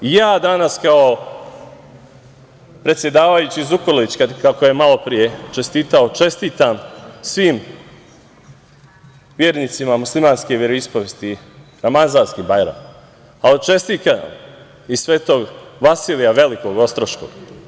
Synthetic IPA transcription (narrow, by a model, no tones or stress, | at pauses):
ijaːd̪anaskao | pɾet̪sʲje̞d̪aːʋajut͡ɕizukoloʋit͡ɕkakakojemalˠo̞pɾije̞t͡ʃe̞st̪iːt̪ao̞t͡ʃe̞st̪iːt̪amsʋiːm | ʋjeːɾniːt̪simamuslˠimaːnske̞ʋjeɾoispoʋjest̪i | ɾamazaːnskibajɾa̰m | aot͡ʃe̞st̪iːk̪a̰m | issʋe̞ːt̪o̞ːɡʋasiːlijaʋe̞liko̞ɡo̞st̪ɾoʃko̞̰ɡ̥